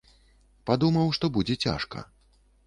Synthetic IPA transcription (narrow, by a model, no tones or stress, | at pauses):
pad̪umɐwʂt̪ɔbud͡zʲɛt͡sʲa̰ʂkɐ̰